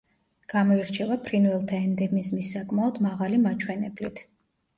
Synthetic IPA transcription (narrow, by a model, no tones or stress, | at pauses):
ɡ̥amɔiɾt͡ʃʰɛvapʰɾinvɛlˠt̪ʰaɛnd̪ɛmizmisːakʼmaɔd̪maʁalimat͡ʃʰwɛnɛblit̪ʰ